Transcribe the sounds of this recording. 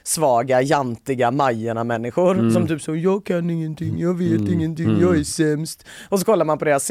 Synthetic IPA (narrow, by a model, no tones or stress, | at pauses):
svɑːɡajant̪ɪɡamajːəɳamɛnːɪɧʊɾsɔmt̪ʰyːpsɔjɑːɡ̚kʰanːɪŋːənt̪ʰɪŋːjɑːɡveːt̪ɪŋːənt̪ɪŋːjɑːɡæʂɛmst̪ɔs̬ɔkʰɔlːaɾmanpɔd̪eːɾas